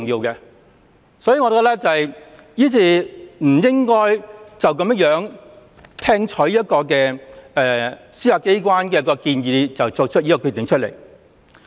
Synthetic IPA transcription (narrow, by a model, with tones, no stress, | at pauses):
ŋjiː˧wkɛ˧ | sɔː˨˥jiː˨ŋɔ˨˧˨kːlɛ˥t͡sɐ˨hɐ˨j | jiː˥t͡sʰiː˧˩m̩˨˩jɪ˥ŋkɔː˥jt͡sɐ˨wkɐ˨˥mjɐ˥k̚jœː˨˥ŋ | t̪ʰɛː˥ŋt͡ʃʰɵ˨˥ɥjɐ˥t̚kɔː˧kɛː˧ɛː˨ | siː˥aː˧˩kːe˥jkwaː˥nkɛː˧jɐ˥kːɔː˧kiː˧njiː˨˧t͡sɐ˨wt͡so˨˧w̚t͡ʃʰt̚jiː˦˥kɔ˧kʰy˧t̪ɪ˨ŋt͡ʃʰɵ˥t̚lḛ˨˩j